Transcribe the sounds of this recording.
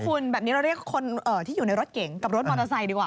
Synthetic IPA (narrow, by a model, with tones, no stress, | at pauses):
fu˧nbɛː˨˩p̚niː˦˥ɾa˧wɾi˥˩əkkʰːo˧nʔɤː˨˩t̪ʰiː˥˩juː˨˩na˧jɾo˦˥t̪̚ke˨˩˦ŋka˨˩p̚ɾo˦˥t̪ma˧na˧sa˧jdiː˧kwaː˨